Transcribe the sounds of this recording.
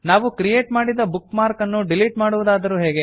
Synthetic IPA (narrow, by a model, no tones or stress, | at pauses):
naːʋukɾijeːʈmaːɽid̪ɐbukːmaːɾkɐnːuɖiliʈmaːɽuʋud̪aːd̪ɐɾuːɦeːɡe